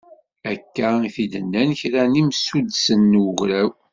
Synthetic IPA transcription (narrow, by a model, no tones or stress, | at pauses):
ækːæiθid̪ənːænçɾænimsud̪sənːʊʝɾæw